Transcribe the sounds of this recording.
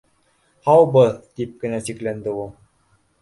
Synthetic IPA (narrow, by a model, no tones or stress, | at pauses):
hɑwbɤðt̪ip̚kɘ̆næsiklænd̪ɘulˠ